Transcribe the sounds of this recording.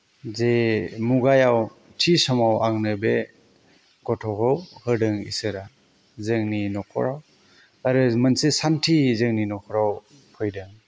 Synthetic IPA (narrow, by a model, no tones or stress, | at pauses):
zemuɡajaw | tʰisɔmawaŋnɯbe | ɡ̥ɔtʰɔkɯwhɯɾdɯŋḭsɯɾa | zɯŋninɔkʰɔ̰ɾaw | aɾɯmɯnsesantʰizɯŋninɔkʰɔɾaw | pʰɯjdɯŋ